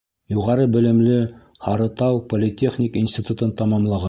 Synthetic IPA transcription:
juʁɑɾɤbɘ̆lɘ̆mlɘhɑɾɤ̆t̪ɑwpolʲɪt̪ʲeχnʲikinsʲt̪ʲit̪ut̪ɤnt̪ɑmɑmlˠɑʁɑ

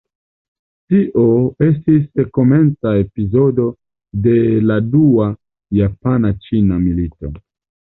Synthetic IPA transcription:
tiʔo̞e̞stisko̞me̞nt͡saepizo̞do̞ | de̞ladua | japanat͡ʃinamilito̞̰

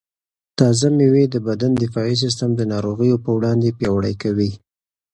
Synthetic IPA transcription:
t̪ɑzamewed̪əbad̪and̪ɪfɑis̬ɪs̬t̪əmd̪ənɑɾoɣəjopəwɽɑnd̪epjɑwaɽəjkawi

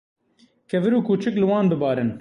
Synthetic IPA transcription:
kʰɛvɨɾuːkuːt͡ʃɨklɨwɑːnb̪ɨbɑːɾɨn

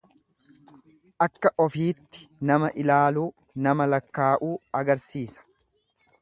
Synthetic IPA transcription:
ʔɐkːɐʔɔfiːt̪ːɪ̥nɐmɐʔɪlaːluː | nɐmɐlɐkːaːʔuːɐɡɐɾsiːsɐ̥

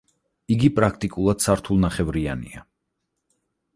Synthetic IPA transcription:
iɡipʼɾak̚ʰt̪ʼikʼulˠad̪̥saɾt̪ʰulˠnaχɛvɾianḭa̰

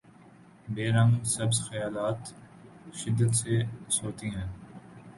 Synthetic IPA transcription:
beːɾə̃ŋɡsɐbsxəjaːlaːt̪ | ʃɪd̪ːət̪seːsoːt̪iːɦɛ̃ː

